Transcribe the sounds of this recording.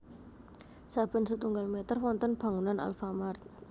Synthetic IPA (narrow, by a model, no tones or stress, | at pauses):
sab̥ə̤nsət̪uŋɡalmet̪ərfwɔnt̪ənb̥a̤ŋunana̰lfamart̪̚